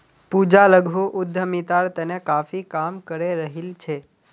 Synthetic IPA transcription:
pud͡ʒaləɡʱuʔʊd̪ʱːəmit̪aɾt̪enekafikamkəɾeɾəɦilt͡ʃʰe

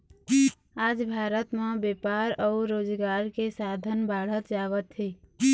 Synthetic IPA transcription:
aːd͡ʒbʱaːɾət̪mẽbepaːɾɔʊɾoːd͡ʒɡaːɾkesad̪ʱənbaːɽ̤ət̪d͡ʒaːʋət̪ɦi

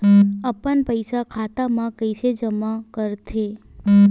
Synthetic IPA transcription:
əpəɳpəjsakʰat̪amãkəjsed͡ʒəmakəɾt̪ʰe

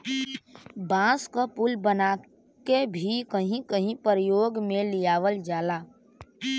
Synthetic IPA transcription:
bãːskapʊlbəna | kebʱikəɦĩkəɦĩpəɾəjoːɡmẽlɪjaːʋəld͡ʒaːlaː

